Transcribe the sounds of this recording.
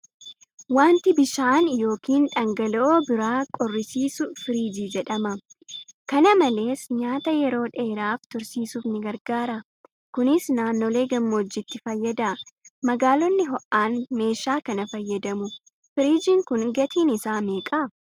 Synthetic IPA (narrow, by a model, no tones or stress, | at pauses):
waːnt̪ɪbɪʃaːnjo̞ːkiːnᶑɐŋɡɐlɔʔoːbɪɾaːkʼɔrːɪsiːsʊfɪɾiːd͡ʒiːd͡ʒɛᶑɐmɐ | kɐnɐmɐle̞ːsɲaːt̪ɐjɛɾo̞ːᶑeːɾaːft̪ʊɾsiːsuːfnɪɡɐɾɡaːɾɐ | kʊnɪsnaːnːoːle̞ːɡɐmːoːd͡ʒːɪt̪ːɪfɐjːɐd̪ɐmɐɡaːlɔnːɪɦɔʔaːnme̞ːʃːaːkɐnɐfɐjːɐd̪ɐmʊ | fɪɾiːd͡ʒɪŋkʊnɡɐt̪ʰiːnɪsaːmeːkʼɐ